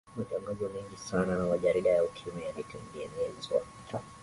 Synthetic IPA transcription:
mataŋɡazɔmɛŋɡisananamaʄaɾiɗajaukʰiumɛjalitinbiɛniɛlizɔ̰

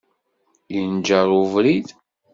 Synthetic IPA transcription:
jənd͡ʒəɾˤuvɾið

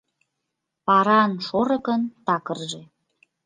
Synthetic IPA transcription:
pɑɾɑnʃoɾə̆kənt̪ɑkərʒe

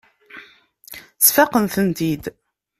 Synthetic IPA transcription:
sfæqənθənt̪id̪

